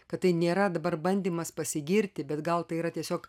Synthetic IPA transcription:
kɐt̪t̪ɐɪnʲeːɾɐd̪ɐbɐrbɐnʲd̪ʲiːmɐspɐsʲɪɡʲɪɾʲt̪ʲɪbʲɛt̪ɡɐlˠt̪ɐɪiɾɐt̪ʲiɛsʲoːk

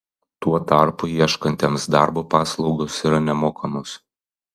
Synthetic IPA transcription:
t̪uɔt̪ɑˑɾpʊiɛʃkɐnʲt̪ʲemsd̪ɑˑɾbopɑːslˠɒʊɡosiːɾɐnʲɛmoːkʰɐmos

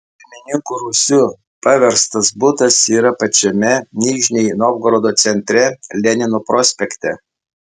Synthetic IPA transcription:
pʲɪɾʲmʲɪnʲɪŋkuːɾusʲʊ | pɑʋʲɛɾst̪ɐsbʊt̪ɐsiːɾɐpɐt͡ʃʲɛmʲɛnʲiːʒʲnʲɛjnoːb̚ɡɾoːd̪oːt̪sʲɛnʲt̪ʲɾʲɛlʲɛnʲɪnopɾɔsʲpʲɛkʲt̪ʲɛ

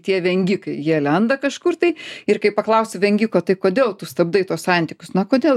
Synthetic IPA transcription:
t̪ʲiɛʋʲɛŋʲɡʲikɐɪjiɛlʲɛnd̪ɐkɐʃkʊrt̪ɐɪɪrkɐɪpɐklˠɐʊsʲɪʋʲɛŋʲɡʲikoːt̪ɐɪkoːd̪ʲeːlˠt̪ʊst̪ɐbd̪ɐɪt̪uɔssɑˑnʲt̪ʲiːkʲʊsnɐkoːd̪ʲeːlˠ

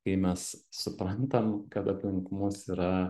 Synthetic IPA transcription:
kɐɪmʲɛssʊpɾɐnt̪ɐmkɐt̪ɐpʲlʲɪŋkʊmʊsiɾɐ

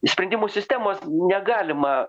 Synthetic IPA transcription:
sʲpʲɾʲɛnʲdʲimoːsʲɪsʲt̪ʲæːmoːsnʲɛɡɑːlʲɪmɐ

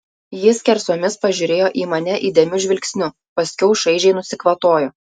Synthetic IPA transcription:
jɪskʲɛɾsoːmʲɪspɐʒʲʊɾʲeːjoːʔiːmɐnʲɛʔiːd̪ʲɛmʲʊʒʲʋʲɪlʲkʲsʲnʲʊ | pɐsʲkʲɛʊʃɐɪʒʲɛɪnʊsʲɪkʋɐt̪oːjoː

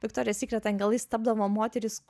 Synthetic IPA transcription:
ʋʲɪkt̪ɔːɾʲɪjɛsʲiːkʲɾʲɛt̪ɐŋɡɐlˠɐɪst̪ɐb̚d̪ɐʋoːmoːt̪ʲɛɾʲɪs

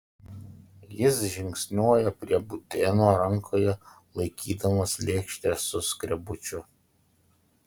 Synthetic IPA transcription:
jɪsʒʲɪŋʲksʲnʲoːjɛpʲɾʲiɛbʊt̪ʲenoːɾɐŋkʰoːjɛ | lˠɐɪkʲiːd̪ɐmɐslʲeːkʃʲt̪ʲɛsʊskɾʲɛbʊt͡ʃʲʊ

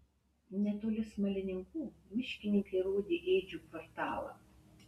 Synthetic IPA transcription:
nʲɛt̪oːlʲɪsmɐlʲɪnʲɪŋkuːmʲɪʃʲkʲɪnʲɪŋkɐɪɾoːd̪ʲeːʔeːd͡ʒʲuːkʋɔɾt̪ɑ̰ːlˠɐ̰

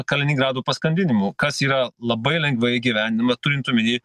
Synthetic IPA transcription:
kɐlʲɪnʲɪɡɾɑːd̪uːpɐskɐnʲd̪ʲɪnʲɪmʊkɐsiːɾɐlˠɐbɐɪlʲɛŋɡʋʲɐɡʲiʋʲæːnʲnʲmɐt̪ʊɾʲɪnt̪ʊmʲɪnʲiː

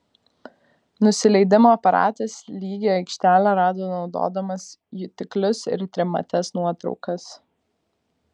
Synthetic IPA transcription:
nʊsʲɪlʲɛɪd̪ʲɪmoːɐpɐɾɑ̰ːt̪ɐslʲiːɡʲoɛɪkʃʲt̪ʲæːlʲæɾɑːd̪oːnɒʊd̪o̰ːd̪ɐmɐsjʊt̪ʲɪklʲʊsɪ̰ɾt̪ʲɾʲɪmɐ̰t̪ʲɛsnuɔt̪ɾɒ̰ʊkɐs

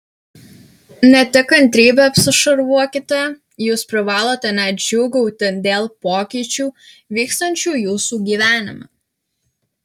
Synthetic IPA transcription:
nʲɛt̪ʲɪkɐnʲt̪ʲɾʲiːbʲɛɐpʲsʲɪʃɐɾʋuɔkʲɪt̪ʲɛ | juːspʲɾɪʋɑːlˠoːt̪ʲɛnʲɛd͡ʒʲuːɡɐʊt̪ʲɪd̪ʲeːlˠpoːkʲiːt͡ʃʲuːʋʲiːkst̪ɐnʲt͡ʃʲuːjuːsuːɡʲiːʋʲæːnʲɪ̰mɐ̰

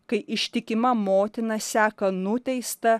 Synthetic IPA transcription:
kɐɪʔɪʃʲt̪ʲɪkʲɪmɐmoːt̪ʲɪnɐsʲæːkɐnʊt̪ʲɛɪst̪ɐ

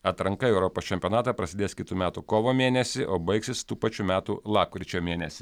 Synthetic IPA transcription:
ɐt̪ɾɐŋkɐɛʊɾɔpoːst͡ʃʲɛmʲpʲonɑːt̪ɑpɾɐsʲɪd̪eːskʲɪt̪uːmʲæːt̪uːkoːʋoːmʲeːnʲɛsʲɪʔoːbɐɪksʲɪst̪uːpɐt͡ʃʲumʲæːt̪ṵlˠɑːp̚kʲɾʲɪt͡ʃʲoːmʲeːnʲɛsʲɪ

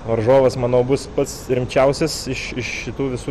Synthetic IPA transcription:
ʋɐɾʒoːʋɐsmɑːnoːbʊspɐt̪sɾʲɪmʲt͡ʃʲɛʊsʲɪsɪʃɪʃʃʲɪt̪uːʋʲɪsuː

